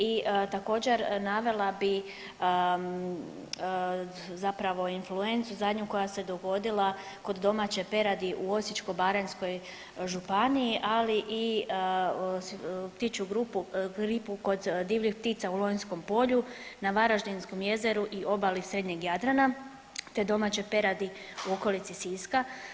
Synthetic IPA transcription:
it̪ako̞ːd͡ʑe̞ɾnaʋe̞lˠabi | zapɾaʋo̞influe̞nt̪suzad̪ɲuko̞jase̞d̪o̞ɡo̞d̪ilˠa | ko̞d̪ːo̞mat͡ɕepe̞ɾad̪iʔuo̞sit͡ʃko̞baɾensko̞j | ʒupaniiʔaliʔi | pt̪it͡ʃuɡɾupuɡɾipuko̞d̪d̪iːʋʎixp̚t̪iːt̪saulˠojnsko̞mpo̞ʎunaʋaɾaʒd̪insko̞mje̞zeɾuʔiʔo̞balisɾe̞d̪ɲeɡjad̪ɾana | t̪e̞d̪o̞maːt͡ɕepe̞ɾad̪iuo̞ko̞lit̪sisiːska

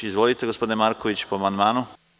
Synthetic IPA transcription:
izʋolit̪eɡospod̪inemaɾkoʋit͡ɕpoamand̪maːnu

